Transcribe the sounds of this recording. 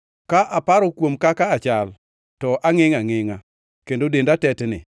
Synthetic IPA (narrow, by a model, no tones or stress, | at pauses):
kaʔapaɾɔkwomkakaːt͡ʃal | tɔʔaŋɪŋaŋɪŋa | kendodendatɛtnɪ̰